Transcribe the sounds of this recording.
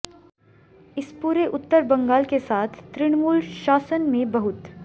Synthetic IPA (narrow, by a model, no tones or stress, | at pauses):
ɪspuːɾeʔʊt̪ːəɾbɐ̃ŋɡaːlkesaːt̪ʰːɾɪɽ̃muːlʃaːsənmẽbɐɦʊt̪